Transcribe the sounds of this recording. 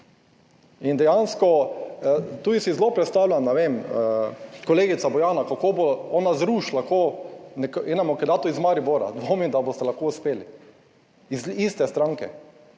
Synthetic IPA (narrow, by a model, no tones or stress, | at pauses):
ind̪ɛjanskɔ | t̪uːisizlopɾɛt̪st̪aːwlʲjamnɛʋeməkoleːɡit̪sabɔjaːnakakoboɔnazɾuːʃlakonɛkɛnamɔkɛd̪at̪ɔizmaɾiboɾa̰d̪ʋomid̪abost̪ɛlaxkouspeːli | izist̪ɛst̪ɾaŋkɛ̰